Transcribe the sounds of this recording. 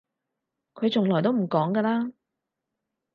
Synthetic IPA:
kʰɵ˨˧ɥt͡sʊ˨ŋlɔː˨˩jt̪o˥wm̩˨˩kɔː˨˥ŋɡəː˧laː˥

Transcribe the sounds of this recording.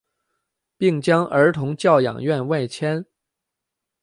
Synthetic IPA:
pi˥˩ŋt͡ɕjɑ˥ŋʔə˞˧˥t̪ʰʊ˧˥ŋt͡ɕjɑ˥˩ʊjɑ̰˨˩ŋɥɛ˥˧nwa˥˩ɪt͡ɕʰjɛ˥n

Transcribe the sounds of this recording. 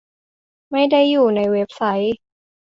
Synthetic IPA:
ma˥˩jda˥˩jːuː˨˩na˧jwe˦˥p̚sa˦˥j

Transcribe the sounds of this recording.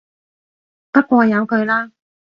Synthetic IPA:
pɐ˥t̚kʷwɔː˧jɐ˨˧wkʰɵ˨˧ɥlaː˥

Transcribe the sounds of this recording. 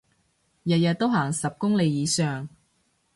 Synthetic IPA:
jɐ˨t̚jɐ˨t̪̚ːo˥wɦaː˨˩ŋsɐ˨p̚kʊ˥ŋle˨˧jiː˨˧sœː˨˩ŋ

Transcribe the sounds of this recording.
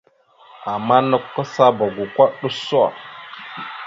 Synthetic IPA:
a˨mːa˦no˦kːo˦sa˦ba˨ɡu˨kʷa˦ɗo˦so˦a̰˨

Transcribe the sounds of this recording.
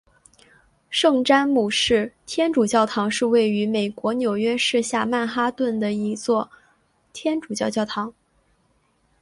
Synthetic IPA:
ʂɤ˥˩ŋʈ͡ʂa˥nmu˨˩ʂɻ̩˥˩t̪ʰjɛ˥nʈ͡ʂu˨˩t͡ɕjɑ˥˩ʊt̪ʰɑ˧˥ŋʂɻ̩˥˧we˥˩ɪy˧˥me˨˩ɪkwɔ˧˥njo˨˩ʊɥɛ˥ʂɻ̩˥˧ɕja˥˧ma˥˩nxa˥t̪wə˥˩nd̪ə˩i˧˥t͡swɔ˥˩ | t̪ʰjɛ˥nʈ͡ʂu˨˩t͡ɕjɑ˥˧ʊt͡ɕjɑ˥˩ʊt̪ʰɑ˧˥ŋ

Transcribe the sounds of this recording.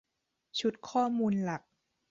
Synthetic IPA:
t͡ɕʰu˨˦˥t̪̚kʰɔː˥˩muː˧nla˨˩k̚

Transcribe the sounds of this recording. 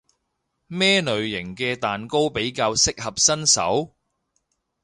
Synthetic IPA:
mɛː˥nɵ˨ɥjɪ˨˩ŋkɛː˧t̪aː˨nko˥wpe˨˥jkaː˧wsɪ˥k̚hɐ˨p̚sɐ˥nsɐ̰˨˥w

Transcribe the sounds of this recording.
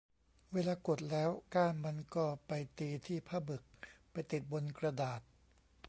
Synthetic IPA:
weː˧laː˧ko˨˩t̪̚lɛː˦˥wkaː˥˩nma˧nkɔː˥˩pa˧jt̪iː˧t̪ʰiː˥˩pʰaː˥˩bɯ˨˩k̚pa˧jt̪i˨˩t̪̚bo˧nkɾa˧daː˨˩t̪̚

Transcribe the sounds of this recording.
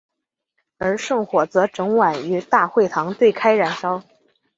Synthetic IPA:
ə˞˧˥ʂɤ˥˩ŋxwɔ˨˩t͡sɤ˧˥ʈ͡ʂɤ˧˥ŋwa˨˩ny˧˥t̪a˥˧xwe˥˩ɪt̪ʰɑ˧˥ŋt̪we˥˩ɪkʰa˥ɪɻa˨˩nʂɑ˥ʊ

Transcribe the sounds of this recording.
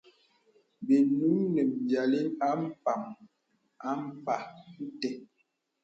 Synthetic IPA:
be˨nu˦nɛ˨m̩˨bja˨li˦na˦m̩˦pa˨m | a˦m̩˦˨pa˨n̩˦tɛ˨

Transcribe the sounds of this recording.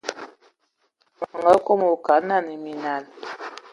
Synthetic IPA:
ma˨ŋɡa˦ko˦mo˨ka˨˦na˦˨ni˨mi˨na˨l

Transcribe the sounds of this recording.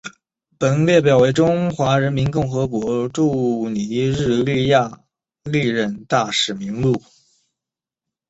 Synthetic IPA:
pə˨˩nljɛ˥˩p̬jɑ˨˩ʊwe˧˥ɪʈ͡ʂʊ˥ŋxwa˧˥ɻə˧˥nmi˧˥nkʊ˥˩ŋxɤ˧˥kwɔ˧˥ʈ͡ʂu˥˩ni˧˥ɻɻ̩˥˧ly˥˧ja˥˧ | li˥˧ɻə˥˧nt̪a˥˩ʂɻ̩˨˩mi˧˥ŋmu˥˩

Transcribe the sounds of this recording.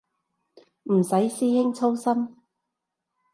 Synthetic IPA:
m̩˨˩sɐ˨˥jsiː˥hɪ˥ŋt͡sʰo˥wsɐ˥m

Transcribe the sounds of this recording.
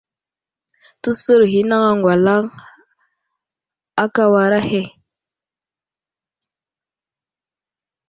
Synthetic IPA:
tu˦sə˦ɾɦi˦na˦ŋa˦ŋɡwa˨la˦ŋ | a˦ka˦wa˨ɾa˦he˦˨

